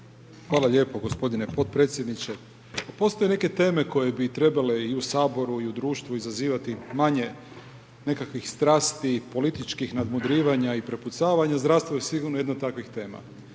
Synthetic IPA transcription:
xʋaːlaʎe̞ːpo̞ɡo̞spo̞d̪ine̞po̞t̪̚pɾet̪sjed̪nit͡ɕe̞ | papo̞st̪ojene̞ke̞t̪e̞ːme̞ko̞je̞bit̪ɾe̞bale̞iusaːbo̞ɾuiud̪ɾuːʃt̪ʋuizaziːʋat̪imaɲe̞ | ne̞kakʋixst̪ɾaːst̪ipo̞lit̪it͡ʃkixnad̪mud̪ɾiːʋaɲaipɾe̞put̪saːʋaɲazd̪ɾast̪ojesiɡuɾnoe̞d̪nat̪akʋixt̪e̞ːma̰

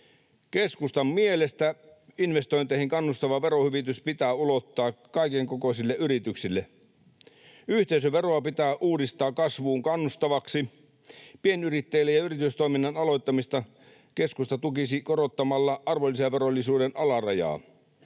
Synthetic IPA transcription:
keskust̪ɑmmielest̪æinʋest̪o̞int̪eihiŋkɑnːust̪ɑʋɑʋe̞ɾohyʋit̪yspit̪æːulo̞t̪ːɑːkkɑikeŋkokosilːeʔyɾit̪yksilːe | yht̪eisøʋe̞roɑpit̪æːʔuːdist̪ɑːkkɑsʋuːŋkɑnːust̪ɑʋɑksi | pienyrit̪ːeilːejɑyrit̪yst̪o̞iminːɑnɑlo̞jt̪ːɑmist̪ɑ | ke̞skust̪ɑt̪ukisikoɾot̪ːɑmɑlːɑʔɑrʋolːiseʋeɾolːisuːdenʔɑlɑrɑjɑ̰ː

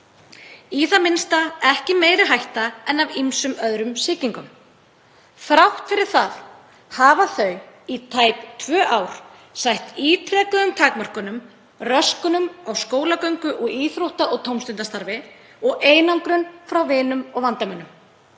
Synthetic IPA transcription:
iːθamɪnst̪aɛhcɪmeːjɾɪɦajht̪aɛnavimsʏmœðɾʏmsɪːciŋkʏm | θɾawht̪fɪɾɪɾ̥θað | havaθœɥit̪ʰaːjpt̪ʰvœːʔaːwɾ̥ | sajht̪iːt̪ʰɾɛːkʏʏmt̪ʰaːkmar̥kʏnʏm | rœskʏnʏmawskoːwlakœɥŋkʏʔɔɣiːθɾowht̪aɔɣt̪ʰowmst̪ʏnt̪ast̪aɾvɪ | ɔɣeːjnaŋkɾʏnfɾawvɪːnʏmɔɣvant̪amʏnːʏm

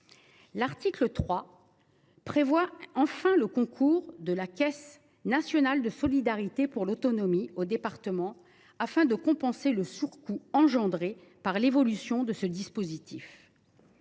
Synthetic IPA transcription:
laʁt̪iklət̪χwa | pχevwaɑ̃fɛ̃ləkɔ̃kʰuʁd̪əlakʲɛs | nasjɔnald̪əsɔlid̪aʁit̪epuʁlot̪ɔnɔmiod̪epaʁt̪əmɑ̃ | afɛ̃d̪əkɔ̃pɑ̃seləsyʁkuɑ̃ʒɑ̃d̪ʁepaʁlevɔlysjɔ̃d̪əsəd̪ispozit̪ʰif

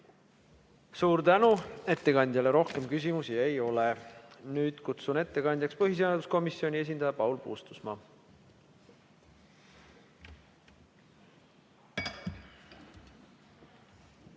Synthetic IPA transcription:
suːɾt̪ænue̞t̪ːe̞kɑnʲd̪ʲjɑleɾo̞hke̞mkys̬ʲimusie̞jo̞le̞nyːd̪̥kut̪sune̞t̪ːe̞kɑnʲd̪ʲjɑkspɤɦis̬eɑnɑd̪usko̞misːio̞nʲie̞s̬ʲind̪ɑjɑpɑwlpuːst̪usmɑ

